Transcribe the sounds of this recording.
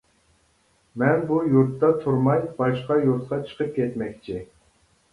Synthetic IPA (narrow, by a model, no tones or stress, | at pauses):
mɛnbujuɾt̪ːɑt̪ʰuɾmɑjb̥ɑʃqɑjuɾt̪̚qɑt͡ʃʰə̥qʰəp̚kʲʰɛt̪mɛkʲt͡ʃʰɪ